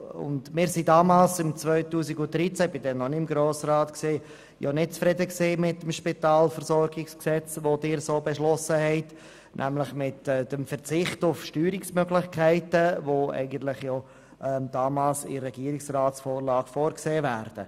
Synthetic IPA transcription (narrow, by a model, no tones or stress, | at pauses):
ʊ̰ndmɪːɾsidɑːmɑːlsɪmt͡svœʏtuːsiɡʊd̪̥ɾit͡sæb̥ɪdɛnːɔniɪmɡɾoːsɾɑːt̪kseː | jɔ̰nɪt̚t͡sfɾɛdəkseːmɪtːəmʃpitɑːlfəɾsɔɾɡɪksksɛt͡sʋodɪːɾsoːbɛʃlɔsəhɛɪt | nʔæ̰mlɪχmɪtːd̥əmfəɾt͡sɪχtʊfʃtyːɾɪksmœɡlɪχkʰɛɪtəvoɛ̰ɪɡən̩tlɪχjɔ | ʔɛd̥ɑːmɑːlsɪ̰rɛɡiəɾɪksrɑːtsfoːɾlɑːɡ̥foːɾkseːvæːɾd̥ə